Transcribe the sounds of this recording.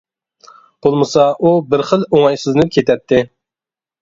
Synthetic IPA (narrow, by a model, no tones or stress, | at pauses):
b̥olˠmɨsɑʔubɪɾχəlˠoŋɑjsyzɪnɨp̚kʰʲet̪ʰɛt̪ʰːɪ